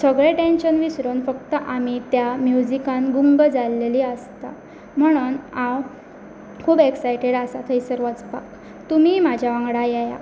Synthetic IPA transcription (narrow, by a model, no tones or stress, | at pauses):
səɡɭeʈenɕənʋisɾonfəkt̪əʔamit̪jamjud͡ʑikãnɡuŋɡəd͡zalːeliːəst̪a̰ | m̤əɽ̃uːnãw | kʰuːbeksajʈeɽasat̪ʰəisəɾʋət͡spa̰k | t̪um̤imad͡ʑʱjaʋãŋɡɽajɛja̰